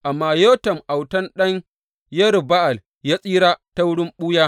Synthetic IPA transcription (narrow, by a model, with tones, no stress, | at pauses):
ʔa˨mːaː˨joː˦tɐ˨mʔa˨wtɐ˦nɗɐ˦ɲ | jɐ˦ɾba˦ʔa˨l | jaː˦sʼiː˦ɽaː˦ta˦wʊ˦ɽɪ˦mɓuː˦jaː˦